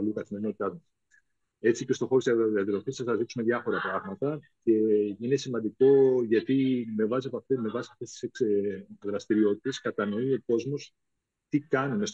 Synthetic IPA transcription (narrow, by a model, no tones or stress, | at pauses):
lukɐθime̞ɾino̞t̪it̪ɐt̪ | e̞t͡sice̞st̪o̞xoost̪iiɐt̪ɾo̞fisɐsθɐzisume̞ðʝɐfo̞ɾɐpɾɐɣmɐt̪ɐ | ce̞ine̞simɐnd̪iko̞ʝɐt̪ime̞vɐsft̪me̞vɐsiɐft̪e̞st̪i̥sekðɾɐst̪iɾio̞t̪i̥t̪e̞skɐt̪ɐno̞io̞ko̞zmo̞s | t̪ikɐnune̞s